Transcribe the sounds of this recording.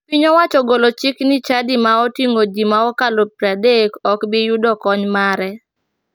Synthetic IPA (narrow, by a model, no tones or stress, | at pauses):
wiɲɔwat͡ʃɔɡolot͡ʃɪknɪt͡ʃadimaɔtiŋoɡimaɔkalopɾadekɔkbɪjudɔkɔɲmaɾɛ